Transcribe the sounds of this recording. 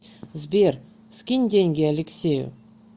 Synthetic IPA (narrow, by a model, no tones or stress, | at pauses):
zbʲeɾ | skʲinʲd̪ʲeŋɡʲɪalʲeksʲejʊ̰